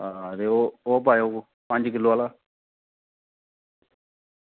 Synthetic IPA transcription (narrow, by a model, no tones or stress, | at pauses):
aɾeːooːp̬aːjoːko | pə̃ɲd͡ʒkɪlːoːaːlaː